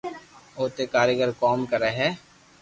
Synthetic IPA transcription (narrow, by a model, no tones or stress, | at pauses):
oːt̪ekaːɾjəɡəɾkɔːmkɐɾeɦɛː